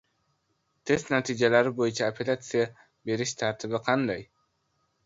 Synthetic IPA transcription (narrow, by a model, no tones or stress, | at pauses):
t̪ʰe̞st̪nat̪ijd͡ʒalæɾɪbo̞junt͡ʃʰɑːpʲʰelʲat̪sɨja | be̞ɾiʃt̪ʰɑɾt̪ʰɪβɪqʰɑnd̪ɑj